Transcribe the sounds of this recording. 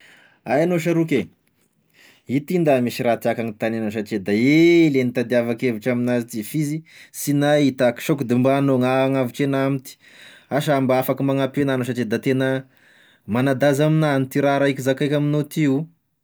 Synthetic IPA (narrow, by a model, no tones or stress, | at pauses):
ajanoʃ̬aɾukʲe | it̪ind̪amiʃiɾat̪iakaŋit̪anenoʃ̬aʈ͡ʂed̪aelenit̪ad̪iavakeviʈ͡ʂaminazit̪ifizisinait̪aki̥ʃokud̪imbanoŋaŋaviʈ͡ʂenamit̪i̥ | aʃambaafakimaŋapenanoʃ̬aʈ͡ʂed̪at̪enə | manad̪azaminanit̪iɾaɾaikizakajkʲaminot̪iu